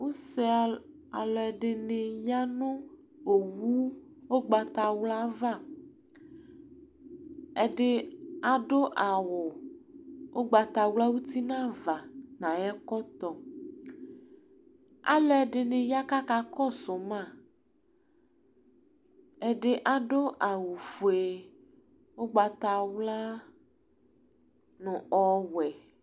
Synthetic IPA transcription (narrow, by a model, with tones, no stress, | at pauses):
wo˦se˦˨ | a˨lɔ˨ɛ˨ɖe˨nẽ˨ja˦nõ˦ | o˨wu˦wo˦ɡ͡ba˨t̪a˨wla˦va˦˨ | ɛ˨ɖe˦a˨ɖo˦ʔa˨wo˨ | wʔo˦ɡ͡ba˨t̪a˨wla˦wu˦t̪i˦nã˦va˨nã˨jɛ˦kɔ˦t̪ɔ˦ | a̰˦lɛ˨ɖɪ˨nẽ˨ja˦ka˦ka˨kɔ˦˨so˨mã˦˨ | ɛ˨ɖɪ˨ʔa˨ɖo˦ʔa˨wo˨fo˨e˨ | wo˦ɡ͡ba˨t̪a˨wla˦ | nũ˨ɔ˦wɛ˨